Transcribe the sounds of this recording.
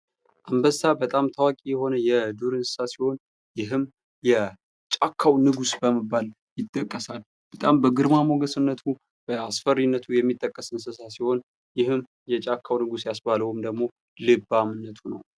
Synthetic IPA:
ʔambəsabət̪ʼamt̪ʰawakʼijɛho̞nəjɛd̪uɾɨnsɨ̥sasiho̞n | jɪɦɨm | jɛ | t͡ʃʼakʰːawnɨɡusbəməbːal | jɪt̪ʼːəkʼːəsal | b̥ət̪ʼambəɡɨɾmamoɡəsɨnːət̪ʰu | b̥əasfərinːət̪ʰujɛmːit̪ʼːəkʼːəsɨnsɨsasiho̞n | jɪhɨm | jɛt͡ʃʼakʰːawnɨɡusjasbaləwɨmd̪əɡmo̞ | lɨbamɨnːət̪ʰunə̰w

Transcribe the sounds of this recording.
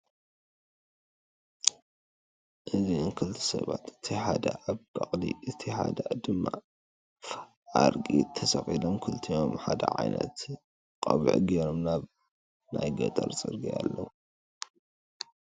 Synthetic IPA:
ʔɨziɨnkʰɨlt̪ʰɨ̥sɐβat̪ɨ̥t̪ʰiħad̪aʔaβkʼɐχʼliʔɨt̪ʰiħad̪ad̪ɨmːa | ʕaɾkʼit̪ʰɐsɐxʼilomkʰɨlt̪ʰijo̞mħad̪ɐʕajnɐt̪ | kʼɐβ̰ʕɡeɾomnaβ | najɡɐt̪ʼɐɾt͡sʼɨɾɡialːɐwu

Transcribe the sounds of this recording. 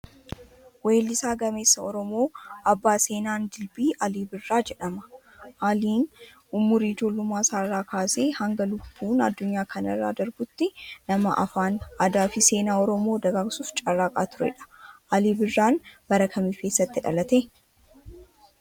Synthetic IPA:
weːlːɪsaːɡɐme̞ːsːɐɔɾɔmo̞ːʔɐbːaːse̞ːnaːnd̪ɪlbiːʔɐliːbɪrːaːd͡ʒɛᶑɐmɐ̥ | ʔaːliːn | ʊmʊɾid͡ʒo̞ːlːʊmːaːsaːrːaːkʰaːse̞ːhɐŋɡɐlʊbːuːnɐ̰d̪ːʊɲːaːkʰɐnɐ̰rːa̰ːd̪ɐɾbʊt̪ːɪnɐmɐ̰ʔɐ̰faːnʔad̪aːfɪse̞ːnaːɔɾɔmoːd̪ɐɡaːɡsuːft͡ʃʼɐrːaːkʼaːt̪ʊɾɛ̰ᶑɐ̥ʔɐliːbɪrːaːnb̥ɐɾɐkʰɐmiːfe̞ːsːɐt̪ːɪᶑɐ̰lɐt̪e

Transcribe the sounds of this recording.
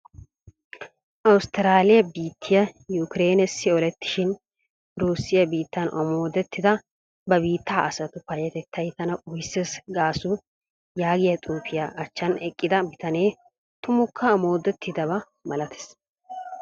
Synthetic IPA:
ʔɐwʊst̪ɪɾaːlɪjɐbiːt̪ʰːɪjɐjʊkɪɾeːnɛsːɪɔlɛt̪ːɪ̥ʃɪn | ɾuːsːɪjɐbiːt̪ːɐnʔɐ̰mo̞ːd̪ɛt̪ːɪd̪ɐ | bɐbiːt̪ʰːaːʔɐsɐt̪ʊpɐjɛt̪ɛt̪ʰːɐjt̪ːɐnɐʔʊjsːesɡaːsʊ | jaːɡɪjɐt̪ʼuːfɪjaʔɐt͡ʃːɐnɛkʼːɪd̪ɐbɪt̪ɐne̞ː | t̪ʊmʊkʰːɐːmo̞ːd̪ɛt̪ʰːɪd̪ɐβɐ | mɐlɐt̪ɛ̥s

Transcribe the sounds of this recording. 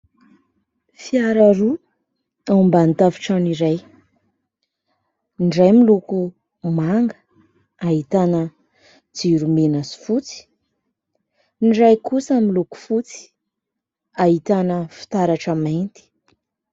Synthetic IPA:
fiaɾaɾu | ambant̪avi̥ʈ͡ʂaniɾaj | nɖ͡ʐajmiluku | maŋɡə̥ | aɦit̪anə | d͡ziɾumenəsi̥fut͡si̥ | nɖ͡ʐajkusəmiluku̥fut͡si̥ | ait̪anəfi̥t̪aɾaʈ͡ʂəmaent̪i̥

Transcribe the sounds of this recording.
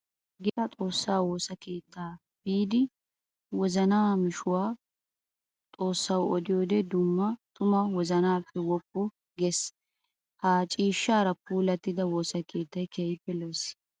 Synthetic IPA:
ɡɪʔ̪ɐt̪ʼo̞ːsːaːwo̞ːsɐke̞ːt̪ːaː | b̥iːd̪ɪ | wɔzɐnaːmɪʃʊwaː | t̪ʼoːsːɐwɔd̪ɪjo̞ːd̪ɛd̪ʊmːɐt̪ʊmɐwɔzɐnaːpːɛwɔpːʊ | ɡes | haːt͡ʃʼiːʃːaːɾɐpuːlɐt̪ːɪd̪ɐwo̞ːsɐkʰe̞ːt̪ːɐjkeːjɪpːɛloːs

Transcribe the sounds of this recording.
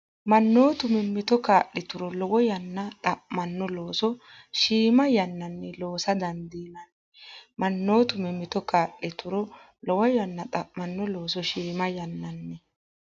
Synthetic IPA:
mɐnːoːt̪ʊmɪmːɪt̪ɔkaːʔɪt̪ʊɾɔlɔwɔjɐnːɐt̪ʼɐʔmɐnːɔloːsɔ | ʃiːmɐjɐnːɐnːɛlo̞ːsɐd̪ɐnd̪iːnɐn | mɐnːo̞ːt̪ʊmɪmːɪt̪ɔkaːʔɪt̪ʊɾɔ | lɔwɔjɐnːɐt̪ʼɐʔmɐnːɔlo̞ːs̬ɔʃiːmɐjɐnːɐnːɛ

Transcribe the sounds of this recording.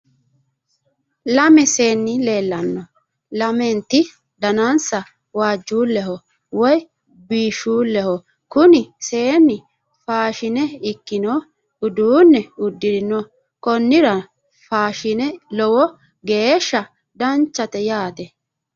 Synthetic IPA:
lɐmɛse̞ːnːɪle̞ːlːɐnːɔ | lɐmɛnt̪ɪ | d̪ɐnɐnsɐ | waːd͡ʒːuːlːɛɦɔ | wɔj | biːʃuːlːɛhɔ | kʊnɪse̞ːnːɪ | faːʃɪnɛɪkːɪnɔ | ʊd̪uːnːɛʊd̪ːɪɾɪnɔ | kɔnːɪɾɐ | faːʃɪnɛlɔwɔ | ɡe̞ːʃːɐ | d̪ɐnt͡ʃːɐt̪ɛjaːt̪ɛ

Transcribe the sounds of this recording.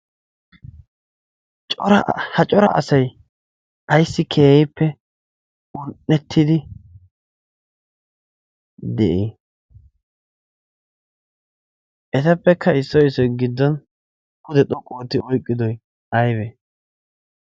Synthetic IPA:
t͡ʃʼɔɾɐhɐt͡ʃʼɔɾɐ̰ʔɐ̰sɐj | ʔɐjsːɪkʰeːjɛpʰːɛ | ʊnʔːɛt̪ʰːɪd̪ɪ | d̪ɛʔi | ʔɛt̪ɐpːɛkʰːɐɪsːɔjsɔjɡɪd̪ːɔn | kʊd̪ɛt̪ʼɔkʼoːt̪ːɪʔɔjkʼːɪd̪ɔj | ʔɐjbɛ

